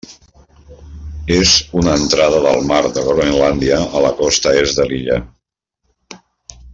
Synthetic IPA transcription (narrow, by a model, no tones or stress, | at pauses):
ezunəːnt̪ɾað̞əðəlˠmaɾd̪əɣɾoinland̪iəːləkɔst̪əezðəliʎə̰